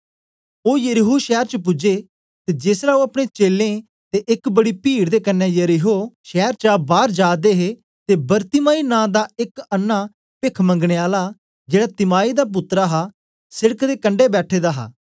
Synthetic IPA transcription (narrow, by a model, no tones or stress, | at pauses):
oːjəɾiɦuʃɛːɾt͡ʃəp̬ʊd͡ʒeː | t̪eːd͡ʒɪsɾaːoːɐpɽ̃eːt͡ʃeːlːẽː | t̪eʔɪkbəɽiːpiːɽd̪eːkənːɛːjəɾiɦoːʃɛːɾt͡ʃabaːɾd͡ʒaːd̪eːɦeː | t̪eːbəɾt̪ɪmaːiːnãːd̪aːɪkənːaː | pɪkʰmə̃ŋɡɽeːaːlaː | d͡ʒeːɽaːt̪ɪmaːiːd̪aːp̬ʊt̪ːɾaːɦaː | sɪɽəkd̪eːkəɳɖeːbɛːʈʰeːd̪aːɦa̰ː